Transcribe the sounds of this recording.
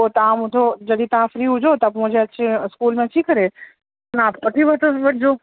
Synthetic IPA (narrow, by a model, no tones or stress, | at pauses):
ot̪ɐʋãmʊ̃t̪ʰod͡ʑɐd̪it̪ɐʋãfɾiːɦʊd͡ʑʱot̪ɐmʊ̃ɦɪ̃d͡ʑeɐt͡ɕeɪskuːlmẽt͡ɕʰikɐɾe | ɐnaːpkɐʈʰiʋɐt̪oʋɐʈʰd͡ʑoː